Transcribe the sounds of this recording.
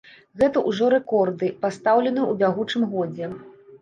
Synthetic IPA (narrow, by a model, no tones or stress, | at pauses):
ɣɛt̪ɐʔuʐɔɾɛkɔrd̪ɨpast̪awlʲɛn̪ɨjɛubʲaɣut͡ʂɨmɣɔd͡zʲɛ